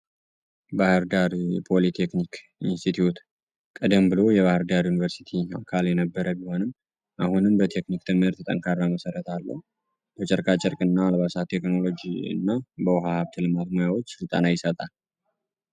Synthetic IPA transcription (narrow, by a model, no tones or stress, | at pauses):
bahɨɾd̪aɾpʰo̞lit̪ʰe̞knik | ḭnst̪ʰit̪ʰjut̪ | kʼəd̪əmbɨlo̞jɛβahɨɾd̪aɾjunivəɾsi̥t̪ʰiakʰaljɛnəbːəɾʔəbiho̞nɨm | ʔahunɨmbət̪ʰe̞knikt̪ʰɨmhɨɾt̪ʰɨt̪ʼə̰ŋkʰarːaməsəɾət̪ʰalːə̰hu | b̥ət͡ʃʼɛɾkʰʼat͡ʃʼɛɾkʼɨnːaːlβasat̪ʰːe̞kno̞lo̞d͡ʒiɨ̰nːabəwɦahaβt̪ʰɨlɨmat̪mojawo̞t͡ʃːsɨlt̪ʼa̰najɪsət̪ʼal